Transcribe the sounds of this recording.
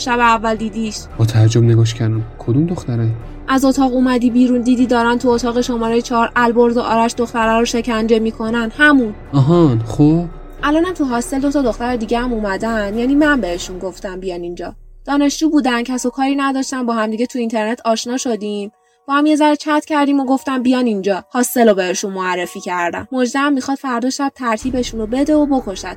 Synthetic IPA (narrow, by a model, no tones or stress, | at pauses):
ʃæβeævːæld̪iːd̪iʃb̥ɒːt̪ʰæd͡ʒobneɡɒːʃcʰæɾd̪ænkʰod̪umd̪oxt̪æɾæn | ʔæzo̞t̪ʰɒːɣumæd̪iːbiːɾund̪iːd̪iːd̪ɒːɾænt̪ʰuot̪ʰɒːɣe̞ʃo̞mɒːɾejet͡ʃʰɒɾʔælbo̞ɾzoʔɒːɾæʃd̪o̞xt̪æɾɒːɾoʃe̞cʰænd͡ʒe̞miːkʰo̞nænhæmun | ɒɦɒxob̥ | ʔælɒːnæmt̪ʰuɦɒːse̞ld̪ot̪ʰɒd̪o̞xt̪æɾed̪iːɟehæmumæd̪ænjæniːmænbe̞he̞ʃunɡo̞ft̪æmbijɒnind͡ʒɒ̰ː | d̪̥ɒːne̞ʃd͡ʒuːbuːd̪æncʰæsokʰɒːɾinæd̪ɒʃt̪ænbɒːɦæmd̪iɟet̪ʰuint̪ʰe̞ɾnet̪ʰɒːʃnɒːʃo̞d̪im | b̥ɒːhæmje̞zæɾet͡ʃʰæt̪cʰʲæɾd̪iːmoɡo̞ft̪æmbijɒnind͡ʒɒːhɒːsːe̞lobe̞heʃunmoærːe̞fiːcʰæɾd̪æ̰nːod͡ʒd̪æmːixɒd̪̥fæɾd̪ɔːʃæd̥̪̚t̪ʰæɾt̪ʰiːbe̞ʃunobe̞d̪e̞obo̞kʰoʃæd̪